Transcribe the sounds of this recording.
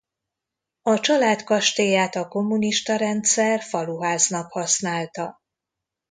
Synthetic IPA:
ɒt͡ʃɒlaːt̪kɒʃt̪eːjaːt̪ɒko̞mːuniʃt̪ɒɾɛnt̪sɛrfɒluɦaːznɒkhɒsnaːlt̪ɒ

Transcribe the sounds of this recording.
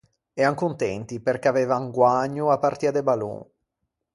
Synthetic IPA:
ɛaŋkunt̪ɛnt̪iperkeavɛːvaŋɡwaɲːoapːart̪iːad̪ebalṵ

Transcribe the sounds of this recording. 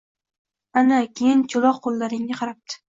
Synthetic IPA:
anakʲʰejɪnt͡ʃʰʊlˠɒqqːolˠːaɾɪŋnɪqʰɑɾap̚t̪ʰɪ̥

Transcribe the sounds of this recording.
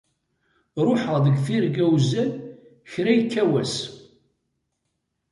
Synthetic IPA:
ɾˤʊħəʁðəɡθiɾɡæwzæ | çɾæjkːæwæs

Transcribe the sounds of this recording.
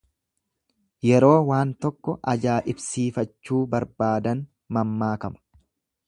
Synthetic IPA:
jɛɾo̞ːwaːnt̪ɔkːɔʔɐd͡ʒaːʔɪbsiːfɐt͡ʃːuːbɐɾbaːd̪ɐn | mɐmːaːkɐmɐ̥

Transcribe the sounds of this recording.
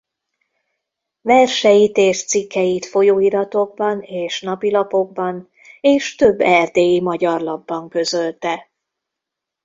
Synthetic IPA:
vɛrʃɛjit̪eːʃt̪sikːɛjit̪fo̞joːiɾɒt̪o̞ɡ̚bɒneːʃnɒpilɒpo̞ɡ̚bɒn | eːʃt̪ø̞bːɛrd̪eːjimɒɟɒrlɒbːɒŋkø̞zø̞lt̪ɛ

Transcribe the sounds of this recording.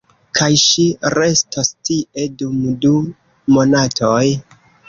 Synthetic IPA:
kʰajʃiɾe̞stostiʔe̞dumdu | mo̞natʰo̞j

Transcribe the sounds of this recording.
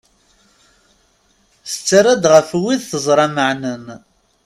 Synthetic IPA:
sət͡sːaɾæd̪ʁəfwiðθəzˤɾˤɑməʕnən

